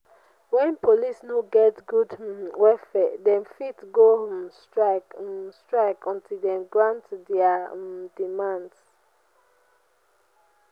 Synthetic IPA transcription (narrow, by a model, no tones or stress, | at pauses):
wɛ̃npolisnoɡɛtɡudwɛfɛdɛ̃mfitɡostɹakstɹaɪkɔ̃ntʰildɛ̃mɡɹãntdɛadimãnds